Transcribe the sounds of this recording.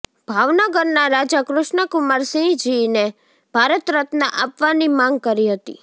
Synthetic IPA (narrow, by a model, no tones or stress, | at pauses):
bʱaʋnəɡəɾnaɾad͡ʒakɾʊʃɳəkʊmaɾsĩd͡ʒine | b̥ʱaɾət̪ɾət̪naʔapʋanimãŋɡ̚kəɾiɦət̪ḭ